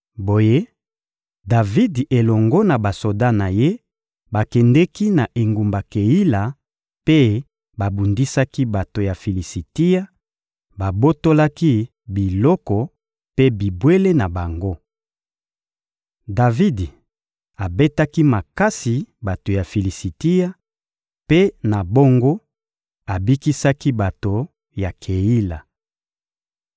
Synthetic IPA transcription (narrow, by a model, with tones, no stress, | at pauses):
bo˨je˦ | da˨vi˦de˨lɔ˨ŋɡɔ˦na˨ba˨so˨da˦na˨je˦ | ba˨kɛ˨ndɛ˦ki˦na˨ʔe˨ŋɡu˨mba˨ke˨ji˦la˨ | pe˦ | ba˨bu˨ndi˦sa˦ki˦ba˨to˨ja˨fi˨li˨si˨ti˦a˦ | ba˨bo˦to˦la˦ki˦ | bi˨lɔ˦kɔ˨ | pe˦bi˨bwe˦le˦na˨ba˨ŋɡo˦ | da˨vi˦di˨ | a˨be˦ta˦ki˦ma˨ka˦si˨ba˨to˨ja˨fi˨li˨si˨ti˦ja˦ | pe˦na˨bo˦ŋɡo˦ | a˨bi˦ki˦sa˦ki˦ba˨to˨ | ja˨kʰe˨ji˦la˨